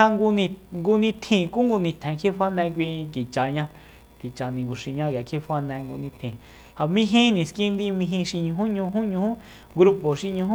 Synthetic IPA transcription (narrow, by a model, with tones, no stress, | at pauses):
a˧ŋɡu˧nĩ˧ŋɡu˧nĩ˧t̪ʰĩ˧˨ku˦ŋɡu˧nĩ˧t̪ʰɛ̃˨˧kʰe˦fa˦nɛ̃˧k̬ʷĩ˧ki˨t͡ʃa˨ɲã˧ | ki˨t͡ʃa˨nĩ˨ɡu˨ʃi˧ɲã˧kja˨kʰe˦fa˧nɛ̃˧ŋɡṵ˧nĩ˧t̪ʰĩ˨ | ha˨mĩ˦˧ɦĩ˦nĩ˨skĩ˦nd̪i˧mĩ˧ɦĩ˧ʃi˧ɲũ˧ɦũ˦ɲũ˧ɦũ˦ɲũ˧hũ˦ | ɡɾu˧po˨ʃi˧ɲũ˧ɦũ˦